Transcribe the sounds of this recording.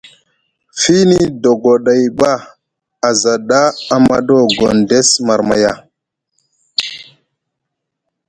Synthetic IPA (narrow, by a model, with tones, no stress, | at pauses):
fi˦ni˦do˨ɡo˨ɗa˨jɓa˦ | a˨za˨ɗa˦a˨ma̰˦ɗo˦ɡo˨nde˦sma˨ɾma̰˨ja˦˨